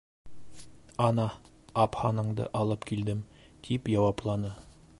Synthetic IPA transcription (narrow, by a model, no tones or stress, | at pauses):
ɒnɑ | ɑphɑnɤ̆ɴd̪ɤ̰ʔɑlˠɤpkild̪ɘmt̪ʰipjɑwɑplˠɑnɤ